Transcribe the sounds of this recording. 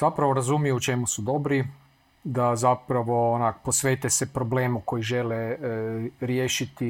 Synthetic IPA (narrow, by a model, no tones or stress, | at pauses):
z̥apɾaʋo̞ɾazumijuut͡ʃe̞musud̪o̞bɾi | d̪azapɾaʋo̞onakpo̞sʋeːt̪esepɾo̞bleːmuko̞jiʒe̞le | ɾjeːʃit̪i